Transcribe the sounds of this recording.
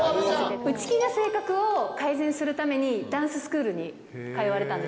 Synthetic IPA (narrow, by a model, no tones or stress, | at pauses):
ɯ̟t͡ɕi̥kʲinase̞ːkakɯ̟o̞kaizẽ̞ɰ̃sɨɾɯ̟t̪ame̞ɲ̟id̪ãsɨsɨ̥kɯ̟ːɾɯ̟ɲ̟i | kaiβaɾe̞t̪ãne